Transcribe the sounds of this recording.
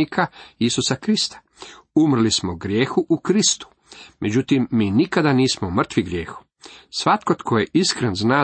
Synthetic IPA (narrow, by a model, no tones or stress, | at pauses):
ikʰaisusakɾist̪ḁ | umr̩lismoɡɾjeːxuʔukɾist̪u̥ | mʔe̞d͡ʑut̪imːiːnikad̪aniːsmomr̩t̪ʋiɡɾjeːxu̥ | sʋat̪kot̪kʰojeʔiskɾenznaː